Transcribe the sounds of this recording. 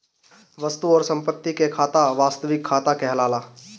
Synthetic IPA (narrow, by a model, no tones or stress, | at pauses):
ʋəst̪uɔːɾsə̃mpət̪ːikekʰaːt̪aʋaːst̪əʋɪkʰːaːt̪akɛɦlaːlaː